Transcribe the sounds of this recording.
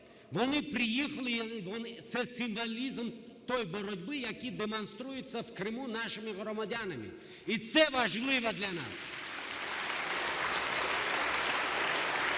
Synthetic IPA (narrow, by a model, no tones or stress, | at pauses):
vɐnɨpɾʲɪjixəlʲɪvɔnt̪sɛsʲɪmvalʲizm | t̪ojbɔɾʊdʲbɨjakʲid̪ɛmɐnst̪ɾujɪt̪səfkrɨmunaʂɨmʲɪɣrɔmad̪ʲanəmʲɪ̰ | it̪sɛvaʐlˠɨvəd̪lʲana̰s